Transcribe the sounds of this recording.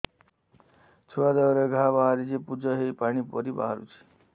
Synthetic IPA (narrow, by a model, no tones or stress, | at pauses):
t͡ʃʰɔad̪əʋɾeɡʱabaɦaɾid͡ʒepud͡ʒəɦepaɽ̃ipɔɾiba̰ɦaɾṵt͡ʃʰi̥